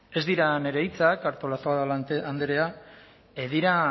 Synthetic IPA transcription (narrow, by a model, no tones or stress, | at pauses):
e̞zd̪iɾane̞ɾejt͡sakaɾt̪o̞lasoaðaand̪eɾe̞a | eðiɾa